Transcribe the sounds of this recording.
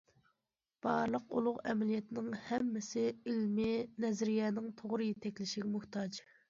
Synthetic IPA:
b̥ɑɾlˠəqṵlˠʊʁɛmɛlijɛt̪ʰɪnɪŋhɛmːɪsɪilmɪnɛzɾijɛːnɪŋt̪ʰoʁɾɨjet̪ʰɛkʲlɪʃiɡʲɛmʊht̪ʰɑd͡ʒ

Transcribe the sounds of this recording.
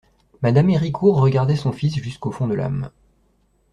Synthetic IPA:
mad̪ameʁikʰuʁːəɡaʁd̪ɛsɔ̃fisʒyskofɔ̃d̪əla̰m

